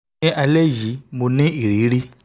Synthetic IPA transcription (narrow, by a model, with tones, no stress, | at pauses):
ĩ˦ʔa˧lɛ˦ji˨˦mo˧nĩ˦i˦˨ɾi˨˦ɾi˦